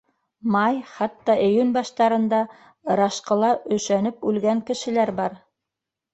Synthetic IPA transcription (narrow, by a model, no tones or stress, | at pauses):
mɑjχɑt̪ːɑʔijʉnbɑʃt̪ɑɾɤ̆nd̪ɑ | ɾɑʃqɤ̆lˠɑɵ̆ʃænɘpʉlɡæŋkɘ̆ʃɘ̆læɾbɑɾ